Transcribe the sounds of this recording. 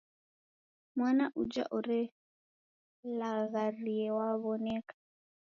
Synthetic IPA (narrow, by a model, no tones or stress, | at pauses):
mwanaʔud͡ʒa̰ʔuɾɛ | laɣaɾiɛwaβɔnɛkḁ